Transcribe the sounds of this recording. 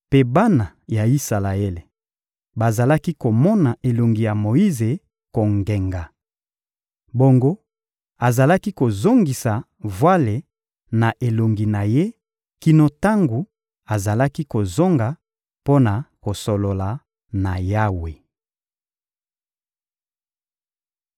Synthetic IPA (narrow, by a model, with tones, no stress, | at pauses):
pe˦ba˦na˨ja˨i˦sa˨la˨e˦le˨ | ba˨za˨la˦ki˦ko˨mɔ˦na˨ʔe˨lo˨ŋɡi˨ja˨mo˨i˦ze˨ | ko˨ŋɡe˨ŋɡa˨ | bo˦ŋɡo˦ | a˨za˨la˦ki˦ko˨zo˦ŋɡi˨sa˨ | vwa˦le˨ | na˨ʔe˨lo˨ŋɡi˨na˨je˦ | ki˨no˨ta˦ŋɡu˨ | a˨za˨la˦ki˦ko˨zo˦ŋɡa˨ | po˦na˨ko˨so˨lo˨la˨ | na˨ja˦we˨